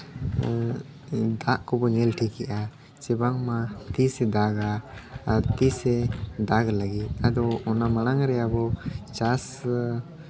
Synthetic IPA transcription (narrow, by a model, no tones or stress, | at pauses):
d̪aʔkɔbɔɲɛlʈʰikɛʔa | t͡ʃɛbaŋmat̪isɛd̪aɡaːɾt̪isɛd̪aɡlaɡit̪̚ˀad̪ɔɔnaməɽ̃aŋɾɛjabɔt͡ʃas